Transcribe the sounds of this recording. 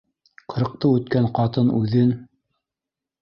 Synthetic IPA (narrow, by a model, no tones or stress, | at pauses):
qɤ̆ɾɤ̆q̚t̪ɤʉt̪kæɴqɑt̪ɤnʉðɘn